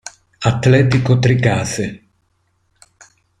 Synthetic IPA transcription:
at̪ːlɛːt̪ikot̪ɾikaːse

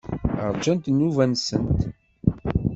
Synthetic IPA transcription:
ə̰ɾˤd͡ʒænt̪nːuvænsənt̪

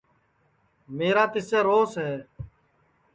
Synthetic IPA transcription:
meːɾaːt̪ɪseːɾoːsɦɛː

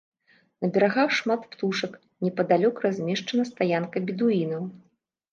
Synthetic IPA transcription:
nɐbʲɛɾaɣawʂmat̪pt̪uʂɐk | nʲɛpɐd̪alʲɔkrazʲmʲɛʂt͡ʂɐnɐst̪ajankɐbʲid̪uinɐw

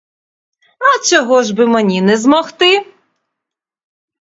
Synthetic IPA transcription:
ɐt͡ʃɔɦɔʒbɪmenʲinɛzmɔxt̪ɪ

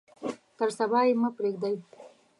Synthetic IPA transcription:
t̪əɾsabɑjemapɾeɡd̪aj

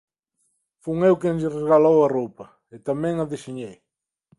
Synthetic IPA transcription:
fuŋewkenʎɪrezɣalowɐropɐ | ɪt̪amɛ̃ŋɐðiʃiɲej

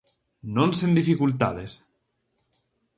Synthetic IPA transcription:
nõnsend̪ifikult̪a̰ðes

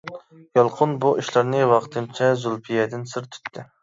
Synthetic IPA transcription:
jɑlˠqʰʊnbuʔiʃlˠɑɾnɨwɑχt̪ʰɨmt͡ʃʰɛzulˠpʰijɛd̪ɪnsɨɾt̪ʰy̥t̪ʰːɪ

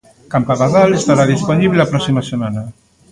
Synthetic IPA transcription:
kampaɣaðalest̪aɾaðisponiβ̞leapɾɔsimasemana

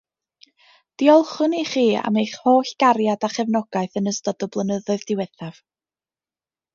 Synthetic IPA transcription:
d̥iɔlˠχʊniχiːa̰mejχhoːɬɡ̥aɾjadaχɛvnɔɡ̥aɨθənəstɔd̥ɔblˠənəðʊɨðd̥ɪwɛθav̥

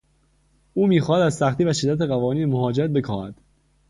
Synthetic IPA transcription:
ʔuːmiːxɒːhæd̪æzsæxt̪iːvæʃe̞d̪ːæt̪eɣævɒːniːnemoɦɒːd͡ʒeɾæt̪̚be̞kʰɒːhæ̰d̪̥

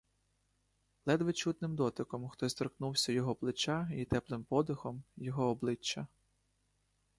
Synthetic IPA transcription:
lˠɛd̪ʋɪt͡ʃut̪nɪmd̪ɔt̪ɪkɔmxt̪ɔsʲt̪ɔɾknuwsʲɐjɔɦɔplˠɪt͡ʃɑit̪ɛplˠɪmpɔd̪ʊxɔmjɔɦɔːblˠɪt͡ʃːɐ

